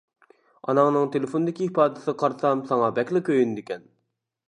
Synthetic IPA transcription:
ɑ̰nɑŋnɨŋt̪ʰelɪfond̪ɪkʲiipɑːd̪ɪsɨqʰɑɾsɑmsɑŋɑbɛkʲlɪkʲøjynd̪ɪkʲɛn

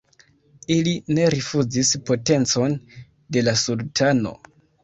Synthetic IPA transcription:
iline̞ɾifud͡zispo̞te̞nt͡so̞n | de̞lasultʰano̞̰

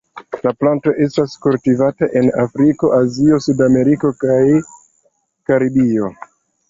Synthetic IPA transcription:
laplanto̞ʔe̞staskultivataʔe̞nafɾiko̞ʔazio̞sudame̞ɾiko̞kaj | kaɾibio̞

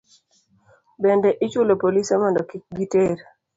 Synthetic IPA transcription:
bɛndɛʔɪt͡ʃʊlopolisamɔndɔkik̚ɡiteɾ

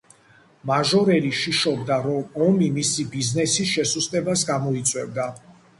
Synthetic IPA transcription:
maʒɔɾɛliʃiʃɔb̚d̪aɾɔmɔmimisibiznɛsisʃɛsust̪ʼɛbasɡamɔit̪sʼwɛvd̪a

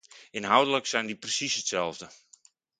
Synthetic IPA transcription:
ɪnɦawdələksɛjndiprəsisətsɛlˠvdə

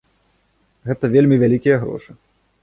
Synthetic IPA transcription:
ɣɛt̪ɐvʲelʲmʲivʲalʲikʲijɐɣɾɔ̰ʂɨ

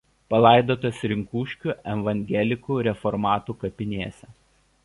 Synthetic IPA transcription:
pɐlˠɑˑɪd̪oːt̪oːsɾʲɪŋkuːʃʲkʲuːʔɛʋɐŋʲɡʲɛlʲɪkuːɾʲɛfɔɾmɑːt̪uːkɐpʲɪnʲeːsʲɛ

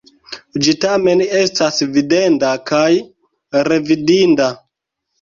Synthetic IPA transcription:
d͡ʒitame̞nestasvide̞ndakaj | ɾe̞vidinda

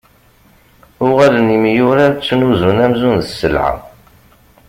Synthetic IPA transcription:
ʊʁalənimijʊɾat͡sːnuzunæmzunðəsːə̰lʕa̰

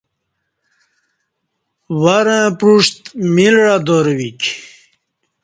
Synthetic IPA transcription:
waɾə̃pɾuʂt̪milɻad̪oɾwik

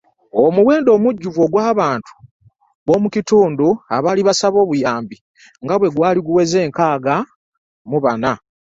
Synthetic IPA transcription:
omuwe̞ːndo̞muɟːuvo̞ːɡwaːβaːntu̥ | βo̞ːmucituːnduaβaːliβasaβo̞ːβujaːmbi | ŋɡaβwe̞ɡwaːliɡuweze̞ːŋkaːɡa | muβana

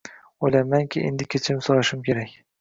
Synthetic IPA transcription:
ojlamaŋkʲʰɪʔḛnd̪ɪkʲʰet͡ʃʰɪmsoɾaʃɪmkʲe̞ɾakʲ

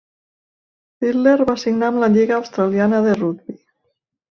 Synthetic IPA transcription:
filːeɾβasiɡnamlaʎiɣaːwst̪ɾalianəðerud̪̚bi

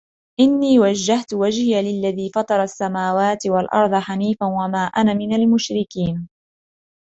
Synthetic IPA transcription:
ʔɪnːiːwad͡ʒːaht̪ʊwad͡ʒhɪjalɪlːaðiːfɑt̪ˤɑɾˤɑsːamaːwaːt̪ɪwalʔɑ̰ɾˤðˤɑħaniːfanwamaːʔanamɪnalmʊʃɾɪkiːn

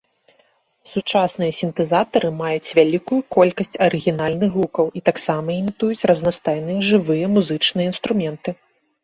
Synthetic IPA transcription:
sut͡ʂasnɨjɐsʲint̪ɛzat̪ɐɾɨmajut͡sʲvʲalʲikujukɔlʲkɐsʲt͡sʲɐɾɨɣʲinalʲnɨxvukɐwit̪aksamɐimʲit̪ujut͡sʲrɐznast̪ajnɨjɛʐɨvɨjɐmuzɨt͡ʂnɨjɐin̪st̪ɾumʲɛnt̪ɨ

